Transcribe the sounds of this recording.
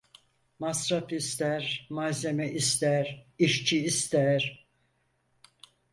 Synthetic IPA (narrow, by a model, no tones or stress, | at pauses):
masɾapist̪æɾmaze̞mɛʔist̪æɾiʃt͡ʃʰiːst̪ʰæɾ